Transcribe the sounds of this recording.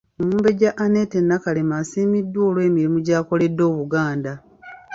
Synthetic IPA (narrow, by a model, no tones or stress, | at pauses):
omuːmbe̞ɟaʔːne̞te̞nːakalemasiːmidːo̞ːlwe̞ːmiɾimuɟaːko̞le̞dːo̞ːβuɡaːnda